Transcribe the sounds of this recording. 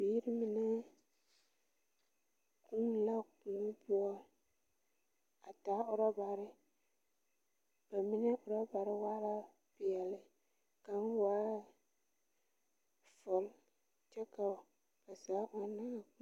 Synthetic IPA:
bi˦ɾɪ˦mi˨nɛ˦ | ku˦ŋ˦la˦ku˨lpʊ˦ɔ˦ | a˨ta˨˦ʊ˦ɾɔ˦ba˨ɾɪ˦ | b̥a˨mi˦nɛ˦ʔʊ˨ɾa˦ba˨ɾɪ˦waː˦la˦ | pɪ˨ɛ˨lɪ˨ | ka˨n˦waː˦ | fɔ˨l | t͡ʃɛ˦ka˨ | ka˨saː˨˦ʔɔ˦na˦˨˦

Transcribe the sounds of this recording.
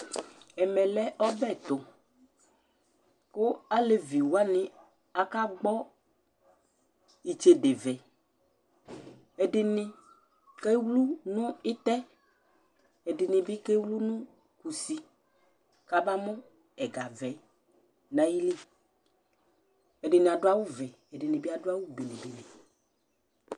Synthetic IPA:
ɛ˨mɛ˨lɛ˦ʔɔ˦bɛ˦˨t̪ʊ˨ | kʊ˦a˦le˨vi˨wa˦nɪ̃˨ | a˨ka˦ɡ͡bɔ˦ | i˨t͡ʃe˨de˨vɛ˨ | ɛ˨dɪ˨nɪ̃˦ | kɛ˦wlu˦nʊ̃˦ɪ˦t̪ɛ˦ | ɛ˨dɪ˨nɪ̃˨bɪ˦kɛ˦wlu˦nʊ̃˦ | ku˨si˨ | ka˦ba˦mɔ̃˦ | ɛ˨ɡa˨vɛ˨˦ | nã˨˦ji˦li˦ | ɛ˨dɪ˨nɪ̃˨a˨dʊ˦a˦wʊ˦vɛ˨ | ɛ˨dɪ˨nɪ̃˨bɪ˦a˨dʊ˦a˦wʊ˦be˨nɪ̃˨be˨nɛ̃˨

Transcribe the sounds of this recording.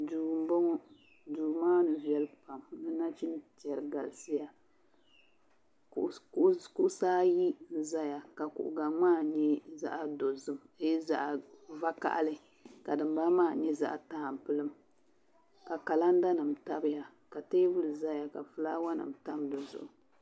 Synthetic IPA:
du˨bɔ˦ŋɔ˦ | duː˨maː˦nɨ˨vi˦ɛ˦lpa˨mnɨ˦na˦t͡ʃi˦ntɛ˨ɾɨ˨ɡa˨lsɨ˦ja˨˦ | ku˦ʔsaː˦ji˦n̩˦za˦ja˨ka˨kʊ̰˨ʔʊ̰˨ɡa˨ŋ͡maː˦ɲɛ˦za̰˦ʔa˨do˨zɨ˦me˦za̰˦ʔva˦ka̰˨ʔlɨ˦ | ka˨dɨ˨m˦ba˦maː˦˨ɲɛ˦za̰˦ʔtaː˦˨m˨pɨ˦lɨ˦m | ka˨ka˨la˦n˦da˦nɨ˨mta˦bɨ˦ja˨ | ka˨teː˦vɨ˦lɨ˨za˦ja˨ka̰˨fɨ˨˦laː˦wa˦nɨ̰˨mta˦mdɨ˨zʊ̰˨ʔʊ˨

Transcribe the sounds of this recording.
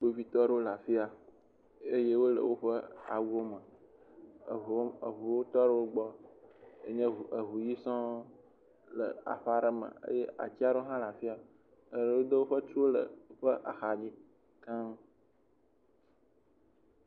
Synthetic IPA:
k͡po˦vi˦t̪ɔ˦ɖə˦o˦la˨fi˦a˨ | e˦je˦wo˦lə̰˨wo˦ɸə˦a̰˨wo˦mə˨˦ | ə˨ɦu˨wo˦t̪ɔ˦ɖə˦wo˦ɡ͡bɔ˦ | ḛ˦ɲɛ̃˦˨ə˨ɦu˨ji˦sɔ̃˦ | lə̰˨a̰˨ɸa˦ɾə˦mə̰̃˨ḛ˦je˦ʔa̰˨t͡ɕi˦a˦ɖo˦ɦã˦la˨fi˦a˨ | ə˨ɖə˨wo˦d̪ə˦wo˦ɸə˦t͡ʃu˦wo˦lə̰˨˦ɸə˦ʔa̰˨xa˨d͡ʑi˦ | k̪ã˦

